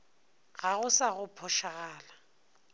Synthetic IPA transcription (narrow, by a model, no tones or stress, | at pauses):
ɣaɣʊsaɣʊpʰɔʃaɣaːla